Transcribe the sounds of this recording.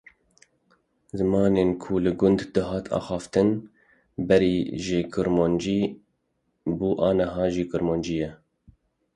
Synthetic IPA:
zɨmɑːneːnkʰulɨɡʊnd̪d̪ɨɦɑːt̪ʰɑ̰ːxɑːft̪ɨn | bɛɾiːʒɪkʰɨɾmoːnd͡ʒiː | buːʔɑːnəɦɑːʒiːkɨɾmoːnd͡ʒijɛ

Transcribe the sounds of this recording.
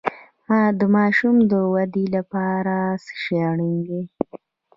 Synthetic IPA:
mɑd̪əmɑʃumd̪əwad̪ilapɑɾasə̥ʃeɳiŋɡe

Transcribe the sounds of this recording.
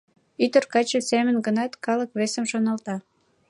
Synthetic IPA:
yt̪ərkɑt͡ɕəsemənɡənɑt̪kɑləkβesəmʃonɑlt̪ɑ

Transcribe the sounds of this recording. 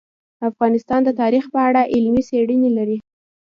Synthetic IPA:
afɣɑnɪst̪ɑnd̪ət̪ɑɾixpəaɽaʔɪlmiseɽənelaɾi

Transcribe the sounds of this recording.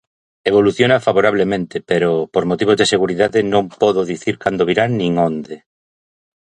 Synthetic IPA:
eβ̞oluθjonafaβoɾaβlemẽnt̪ɪpeɾopoɾmot̪iβ̞ozðeseɣuɾiðaðɪnõŋpɔðoðiθiɾkand̪oβiɾanĩŋond̪e

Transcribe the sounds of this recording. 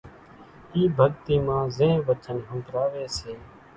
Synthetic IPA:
iːbʱəɡt̪iːmãːzẽːʋət͡ʃənɦʊ̃ːkɾaːʋeːseː

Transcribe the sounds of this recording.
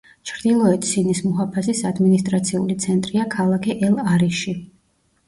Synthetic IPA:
t͡ʃʰɾd̪ilˠɔɛt̪ʰsinismɔɦapʰasisad̪minist̪ʼɾat̪sʰiulit̪sʰɛnt̪ʼɾiakʰalˠakʰɛʔɛlˠaɾiʃi

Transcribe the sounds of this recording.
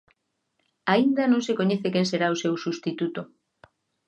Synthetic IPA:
aind̪ɐnõŋsekoɲeθekẽnseɾaosewsust̪it̪ut̪o

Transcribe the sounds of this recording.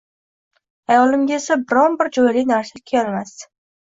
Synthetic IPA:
ajɒlɪmɡʲaesabɪɾɒnbɪɾd͡ʒɒjlɪnaɾsakʲʰelmas

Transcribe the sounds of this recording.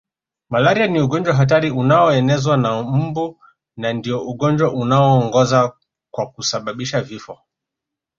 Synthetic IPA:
malaɾianiuɠɔnd͡ʒwaɦat̬aɾiunaɔɛnɛzwanam̩bu | nandiɔuɠɔnd͡ʒwaʔunaɔːŋɡɔza | kwakusaɓaɓiʃavifɔ

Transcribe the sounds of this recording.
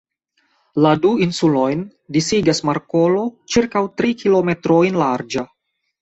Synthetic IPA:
laduinsulojn | disiɡasmaɾkolo̞t͡ʃiɾkawt̪ɾikʰilometɾojnlaɾd͡ʒa

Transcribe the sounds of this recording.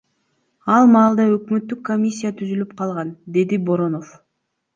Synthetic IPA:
ɑlˠmɑːlˠd̪ɑø̞kmø̞t̪ːykːomʲisʲːijat̪ʰyzylyp̚qʰɑlˠʁɑnd̪e̞d̪ibo̞ɾo̞no̞f

